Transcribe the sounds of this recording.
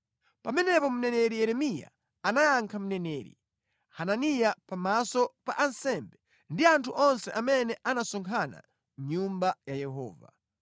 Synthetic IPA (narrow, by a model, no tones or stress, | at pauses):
pamɛnɛpɔm̩nɛnɛɾijɛɾɛmija̰ | anajaŋkʰam̩nɛnɛːɾḭ | hananijapamasɔpaʔansɛmbɛ | ndiantʰuʔɔnsɛʔamɛnɛʔanasɔŋkʰana̰ | m̩ɲumbajajɛɦɔ̰ːva̰